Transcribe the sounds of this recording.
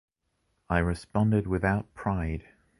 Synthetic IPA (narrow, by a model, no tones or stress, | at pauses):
aɪɹɨspɑ̃ndɨd̚wɨθaʊt̚pʰɹ̥aɪd̥